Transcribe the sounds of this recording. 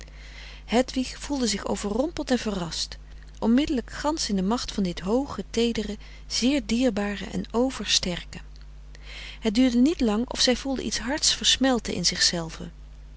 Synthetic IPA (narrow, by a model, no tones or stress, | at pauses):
hɛtʋiχfulˠdəzɪχo̰wvərɔmpəl̩ˠtɛnvərɑst | ʔɔnmɪdələkχɑnsɪndəmɑχtfɑndɪtɦowχətejdərə | z̥ɪːɹdiːɹbaːrə̰ʔɛ̰nowvəɹstɛɹkə | ɦət̚dyːɹdənitlɑŋɔ̰fsɛjvulˠdə̰ʔḭtsɦɑɹtsfəɹsmɛlˠtə̰ʔɪ̰nz̥ɪχsɛlˠv̥ə̰